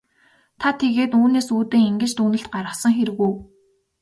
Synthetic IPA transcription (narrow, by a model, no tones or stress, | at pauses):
t̪ʰat̪ʰːeɣeːt̪uːneːsuːt̪eːŋeŋɡɘ̆t͡ɕt̪uːnɘ̆ɬt̪̚ɢaɾə̆χsə̆ŋxeɾɘ̆ɣujː